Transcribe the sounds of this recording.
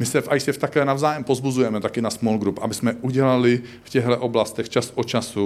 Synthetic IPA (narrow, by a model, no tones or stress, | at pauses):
mɪsɛfʔajsɛft̪akɛːnavzaːjɛmpozbuzujɛmɛt̪akɪnasmolɡɾupʔabɪsmɛʔuɟɛlalɪ | fcɛɦlɛʔo̞blast̪ɛxt͡ʃasʔot͡ʃasu